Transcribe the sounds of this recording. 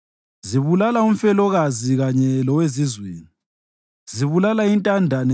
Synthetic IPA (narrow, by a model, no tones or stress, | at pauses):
ziβulalaum̩fɛlɔɣaziɣaɲɛlɔwezizwḛːni | ziβulalaintʼandʱan